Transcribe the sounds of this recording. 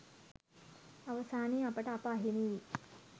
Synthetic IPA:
ɐʋɐsaːniːɐpɐʈɐːpɐːɦinii

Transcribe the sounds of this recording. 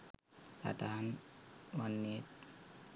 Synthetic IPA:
sa̰d̪anwanːit̪̚

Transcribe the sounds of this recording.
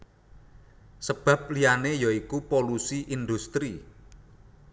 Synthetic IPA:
səb̥ä̤p̚lijanejaikupolusiʔind̪ust̪ɾi

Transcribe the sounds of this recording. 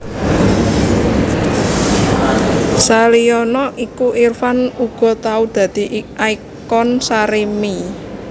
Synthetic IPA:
saliɔnɔʔikuʔirfanuɡ̥ɔ̤t̪aud̪̥ä̤d̪̥i̤ʔiʔai | kɔnsaɾemi

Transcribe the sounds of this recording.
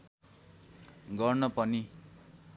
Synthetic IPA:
ɡʌrnʌpʌni

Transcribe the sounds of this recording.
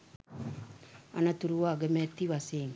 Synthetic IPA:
ɐ̰nɐt̪uɾuʋaɡemet̪ːiʋaseːŋ

